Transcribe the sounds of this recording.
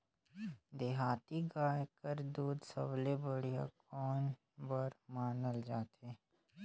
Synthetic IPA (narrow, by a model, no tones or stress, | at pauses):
d̪eɦaːt̪iɡaːjkəɾd̪uːd̪sə̰blebəɽija̰kɔːn | bəɾmaːnəld͡ʒaːt̪eː